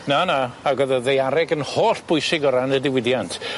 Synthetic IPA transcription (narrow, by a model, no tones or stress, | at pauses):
nanaːɡəðɔðejaɾɛɡənhoːɬb̥ʊjsɪɡɔɾanədɪwɪdjantʰ